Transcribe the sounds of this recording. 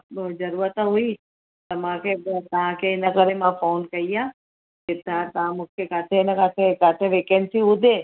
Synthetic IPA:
d͡ʒəɾuɾat̪aɦoi | t̪əmakebt̪aãkeːnakəɾemãfoːnkəijã | ket̪ãt̪ãmʊkʰjekat̪ʰenakat̪ʰekat̪ʰeʋekɛnsiud̪ʱe

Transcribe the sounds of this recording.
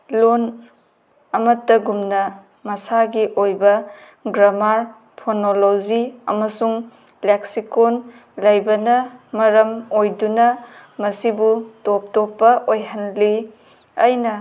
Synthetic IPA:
lon | ɐmɐtːɐɡumnɐ | mɐsaɡiʔojbɐ | ɡɾamaɾ | pʰonoloziɐ̰mɐsuŋ | leksikon | lɐjbɐnɐmɐɾɐmojdunɐmɐsibutop̚topːɐʔojɦɐnli | ɐjnɐ

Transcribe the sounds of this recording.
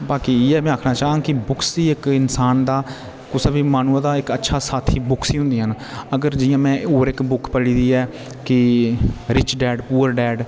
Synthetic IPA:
baːkiːeːɛːmɛ̃ːaːkʰnaːt͡ʃaːʋãːkɪbʊkʰsd̪iːɪkɪnsaːnd̪aː | kʊsbiːmaːnuːə̃ːd̪aːɪkətːʃʰaːsaːt̪ʰiːbʊkʰsiːɦʊ̃nd̪iːɦən | əɡəɾd͡ʒɪjãːmɛ̃ːoːɾɪkbʊkʰpəɽiːd̪iːɛː | kɪ | ɾɪt͡ʃɖɛːɖpuːəɾɖɛːɖ

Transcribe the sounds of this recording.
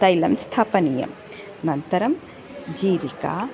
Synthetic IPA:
t̪ɐjlɐmst̪ʰaːpɐnijɐ̰m | nɐnt̪ɐɾɐm | d͡ʒiːɾika̰ː

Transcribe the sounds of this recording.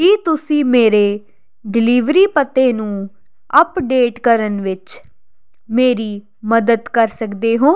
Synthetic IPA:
kiːt̪ʊsĩːmeːɾeː | ɖɪliːʋɾiːpət̪ːeːnũː | əpɖeːʈkəɾənʋɪt͡ʃ | meːɾiː | məd̪əd̪kəɾsəkd̪eːɦoː

